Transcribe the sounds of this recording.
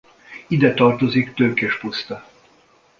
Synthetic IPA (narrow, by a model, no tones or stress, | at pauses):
id̪ɛt̪ɒrt̪o̞zikt̪øːkɛʃpost̪ɒ